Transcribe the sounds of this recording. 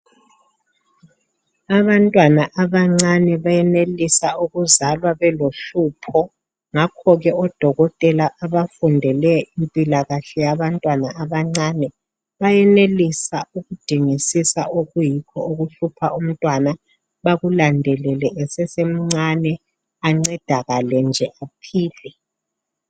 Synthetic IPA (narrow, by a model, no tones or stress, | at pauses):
aβantʼwanaʔaβaŋ͡ǀanɛβajɛnelisauɣuzalwaβɛloɬuːpʰɔ | ŋakʰɔɣɛɔd̥ʱɔɣɔtʼɛlaʔaβafundʱɛlɛimpʼilaɣaɬɛjaβantʼwanaʔaβaŋ͡ǀaːnɛ | βajɛnelisauɣud̥ʱiŋisisaʔoɣujikʰɔoɣuɬupʰaʔum̩tʼwana | βaɣulandʱɛlɛlɛɛsɛsem̩ŋ͡ǀanɛ | aŋ͡ǀɛd̥ʱaɣalɛnd͡ʒʱɛʔapʰiːlɛ